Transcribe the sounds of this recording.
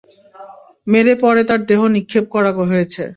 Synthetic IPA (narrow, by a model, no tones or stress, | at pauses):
meɾepɔɾet̪aɾd̪eɦonikʰːep̚kɔɾakoɦojet͡ɕʰe